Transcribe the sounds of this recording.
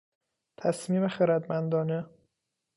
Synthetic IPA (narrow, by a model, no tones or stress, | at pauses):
t̪ʰæsmiːmexeɾæd̪mænd̪ɒːne